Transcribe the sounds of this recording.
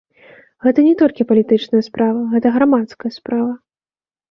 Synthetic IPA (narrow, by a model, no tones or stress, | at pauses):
ɣɛt̪ɐnʲɛt̪ɔlʲkʲipɐlʲit̪ɨt͡ʂnɐjɐspɾavɐɣɛt̪ɐɣɾamat̪skɐjɐspɾavɐ